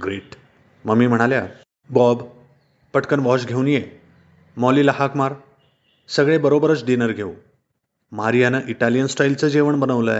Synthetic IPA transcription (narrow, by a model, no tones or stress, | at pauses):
ɡɾeʈ | məmːiːm̤əɽ̃alja | bɔb | pəʈkənʋɔɕɡʱeunje | mɔliːləɦakmaɾ | səɡɭebəɾobəɾət͡sɖinəɾɡʱeũ | maɾijanəʔiʈalijənsʈajlt͡səd͡ʑeʋəɳbənəʋlə